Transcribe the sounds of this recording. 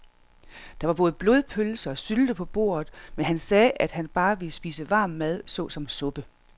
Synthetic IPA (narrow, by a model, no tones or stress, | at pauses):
d̥ɑ̈ʋɑ̈b̥ɔ̽ːð̞̩ˠb̥lo̝ð̞ˠpʰølsɐɒ̽syld̥əpʰɒ̽b̥o̝̰ːɐð̩ˠmenɦænsɛːʔæd̥hænb̥ɑ̈ːʋe̝sb̥ḭːsəʋɑ̈ːmːæð̞ˠsɔ̰̽ːsɒ̽msɔ̽b̥ə